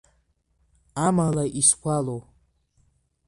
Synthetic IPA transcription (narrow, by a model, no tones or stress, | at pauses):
amalaʔiskʷʰalow